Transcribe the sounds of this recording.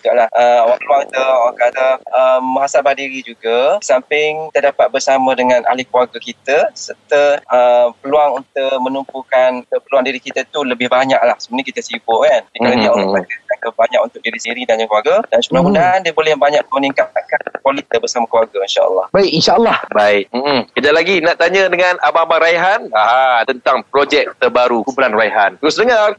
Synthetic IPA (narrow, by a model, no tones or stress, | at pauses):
d͡ʒiɡa̰ʔlahʔəawapəluaŋt̪əawaŋkadaəmːəɦasalbahdiɾid͡ʒuɡəsampɪŋt̪ədapat̪̚bərsamə̃dəŋãnʔa̰lɪhklwaɡəkit̪əsərt̪əʔəmpəluaŋunt̪ʊʔmə̃numpukanəpəluaŋdiɾikit̪ət̪uləbɪhbaɲaʔlahsəbənakit̪əsibʊkand͡ʒikaɾəiaʔunt̪ʊʔ̚ak̪ət̪aŋkəbaɲak̚unt̪ʊk̚diɾisiɾidanɲə̃ŋkəuwaɡəd̥ansumulamudaɦandiəbolɛhbaɲak̚əuniŋkaakankwalit̪əbəsamakəluarɡəinʃa̰ə̰lːɑhbaɪʔinʃaəlːɑhbaɪk̚m̩ʔm̩kədaʔlaɡinaʔt̪aɲə̃dəŋãnʔababaɾaiɦanaat̪ənt̪aŋpɾod͡ʒɛk̚t̪əbaɾukubulanraiɦant̪ɾʊsdəŋar